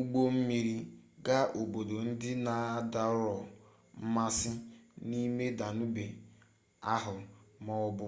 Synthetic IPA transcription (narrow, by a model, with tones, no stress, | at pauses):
u˦ɡ͡bo˦m̩˦mi˨ɾi˦ɡa˦o˨bo˨do˨n̩˦dɪ˦na˨˦da˨˦ɾɔ˨ | m̩˦ma˦sɪ˦ni˦me˦da˨nu˦be˨ | a˦ɦʊ˨mɔ˦ʊ˦bʊ˦